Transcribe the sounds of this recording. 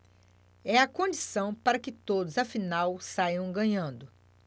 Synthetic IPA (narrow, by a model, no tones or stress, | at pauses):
ɛɐkõd͡ʒisɐ̃w̃paɾɐkɪt̪od̪ʊzɐfinawsajɐ̃w̃ɡɐ̃ɲɐ̃nd̪ʊ